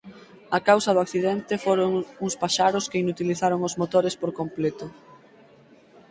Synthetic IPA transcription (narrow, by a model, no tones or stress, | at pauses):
ɐkawsɐðʊakθiðɛnt̪ɪfoɾoŋuŋspaʃaɾʊskeinut̪iliθaɾoŋʊzmot̪oɾespoɾkomplɛt̪ʊ